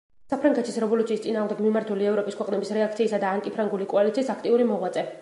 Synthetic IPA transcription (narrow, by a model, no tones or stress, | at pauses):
sapʰɾaŋɡɛt̪ʰisɾɛvɔlut̪siːst̪sʼinaːʁmd̪ɛɡmimaɾt̪ʰuliɛvɾɔpʼiskwɛqʼnɛbisɾɛak̚ʰt̪sʰiːsad̪aːŋkʼipʰɾaŋɡulikʼɔalit̪sʰiːsakʰt̪ʼiuɾimɔʁwat̪sʼɛ